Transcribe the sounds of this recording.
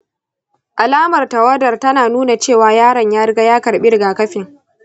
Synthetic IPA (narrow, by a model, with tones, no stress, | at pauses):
ʔa˨laː˦mɐ˨rtɐ˨wɐ˦dɐ˨rtɐ˦naː˨nuː˦na˨t͡ʃeː˦˨waː˨jaː˦ɽɐ˨ɲjaː˦ɾɡa˦jaː˦kɐ˨ɾɓɪ˦ɾɪ˨ɡaː˨kɐ˦ɸɪ˨ŋ